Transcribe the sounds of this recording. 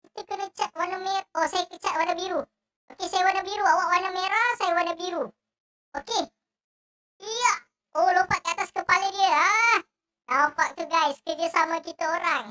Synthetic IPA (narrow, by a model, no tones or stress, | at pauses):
kit̪ukənət͡ʃat̪̚wanameosajakət͡ʃat̪̚wanabiɾu | okesajawanabiɾuawaʔwanameɾasajawanabiɾu | oke | ijaʔ | olompaʔ̚kəat̪askəpalədiəa | nawampaʔ̚t̪uɡajskərd͡ʒasamãkit̪aoɾaŋ